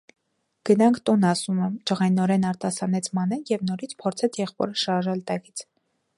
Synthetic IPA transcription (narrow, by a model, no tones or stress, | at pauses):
ɡ̥ənɑŋkʰt̪unɑsumɛmt͡ʃəʁɑjnɔɾɛnɑɾt̪ɑsɑnɛt͡sʰmɑnɛnjɛvnɔɾit͡sʰpʰɔɾt͡sʰɛt͡sʰjɛχpɔ̰ɾəʃɑɾʒɛlt̪ɑkit͡sʰ